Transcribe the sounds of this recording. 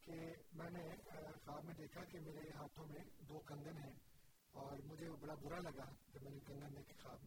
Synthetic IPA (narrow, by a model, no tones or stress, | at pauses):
kemɛ̃ːnexaːbmẽd̪eːkʰakemeːɾeɦaːt̪ʰõmẽd̪oːkɐ̃ŋɡənɦɛ̃ː | ɔːɾmʊd͡ʒʱebɐɽabʊɾalɐɡakemɛ̃ːnekɐ̃ŋɡənːẽkexaːbmẽ